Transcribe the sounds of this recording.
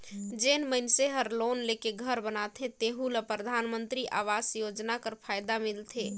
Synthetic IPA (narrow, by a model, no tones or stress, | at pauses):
d͡ʒenməjnseɦəɾlonlekeɡʱəɾbənat̪ʰẽt̪eɦũləpɾəd̪ʱanmənt̪ɾiʔaʋasjod͡ʒnakəɾpʰajd̪amilt̪ʰe